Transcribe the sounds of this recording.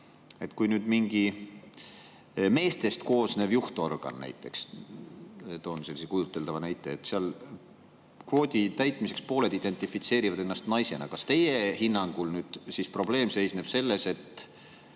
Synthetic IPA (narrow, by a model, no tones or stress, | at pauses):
e̞t̪kujnyːd̪̥miŋɡ̥i | me̞ːst̪e̞st̪ko̞ːsneːvjuht̪orɡ̥ɑ̰nːæ̰jt̪ːˑe̞̰ks | t̪o̞nse̞lːisekujut̪ːˑe̞ld̪ɑvɑnæjt̪ːˑe̞et̪ːˑseɑl | kvo̞ːd̪ʲit̪æjt̪ˑmise̞kspo̞ːle̞d̪̥id̪̥e̞nt̪ˑifit̪se̞ːɾivɑd̪e̞nːɑst̪nɑjse̞nɑ̰kɑst̪e̞jehinːɑŋɡ̥ulnyːd̪̥sispro̞ble̞ːmse̞jsne̞b̥se̞lːe̞se̞t̪ː